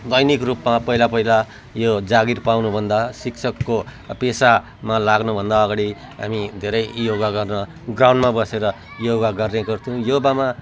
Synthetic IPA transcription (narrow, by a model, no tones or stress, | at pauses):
d̪ʌjnikrupmapʌɦilapʌɦila | jod͡zaɡirpawnubʱʌnd̪asiksʰʌkːopesa | malaɡnubʱʌnd̪aːɡaɽi | ɦa̰mid̪ʱeɾʌjjoɡaɡʌrnʌ | ɡraw̃ɳɖmabʌseɾʌ | joɡaɡʌrneɡʌrt̪ʰiũjobama